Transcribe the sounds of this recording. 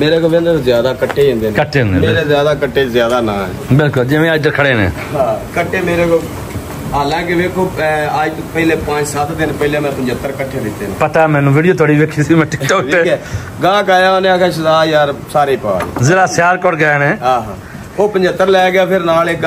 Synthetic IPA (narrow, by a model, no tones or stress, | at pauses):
meːɾeːkoʋẽnd̪əɾzjaːd̪aːkəʈʰːeːẽːnd̪eːnkəʈʰːẽːnd̪̰meːɾeːzjaːd̪aːkəʈːeːzjaːd̪aːnãːɛ̰ːbɪlkʊld͡ʒɪʋẽːaːjd̪əɾkʰəɽeːnḛ̃ː | ɦãːkəʈʰːeːmeːɾeːko | aːlãːkɪʋeːkʰoːaːd̪pəileːpãːt͡ʃsat̪ʰd̪ɪnpəilẽːmɛ̃ːpəɲd͡ʒət̪ːəɾkəʈʰːeːbɪt̪ːeːñːpət̪aːmɛ̃ːnũːʋiːɽijoːt̪ʰaːɽiːʋeːkʰiːsiːmɛ̃ːʈɪkʈɔːeːɛː | ɡãːkaːjãoːnẽakʰẽːʃəzaːjaːɾsaːɾeːpaːɾ̰ːzeːɾaːsjaːɾkɔɽɡɛːneːɦaːɦaː | oːpəɲd͡ʒət̪ːəɾlɛːɡɪaːpʰɪɾnaːleːk